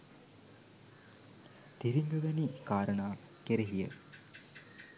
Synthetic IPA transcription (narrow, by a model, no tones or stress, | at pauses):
t̪iɾiŋd̪uʋɐnikaːɾɐɳaː | keɾeɦijə̰